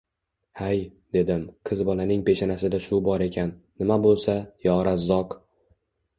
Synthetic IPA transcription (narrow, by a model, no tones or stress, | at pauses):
hajd̪e̞d̪ɪmqʰɨzbɒlanɪŋpʰe̞ʃanasɪd̪aʃʊbɒɾe̞kʲʰanːɪmabolˠsajɒɾazːɒq